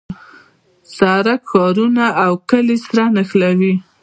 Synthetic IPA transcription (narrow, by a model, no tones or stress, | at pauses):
sɑɾakxɑɾunaawkəlesɾanaxlawi